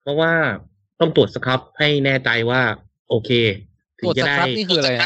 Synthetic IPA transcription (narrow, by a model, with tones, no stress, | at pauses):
pʰɾɔ˦˥waː˥˩ | t̪ɔ˥˩ŋt̪u˨˩ət̪̚sa˧kʰa˦˥p̚ha˥˩jnɛː˥˩t͡ɕa˧jwaː˥˩ | ʔoː˧kʰeː˧ | t̪ʰɯ˨˦˨t͡ɕa˧˩da˥˩jː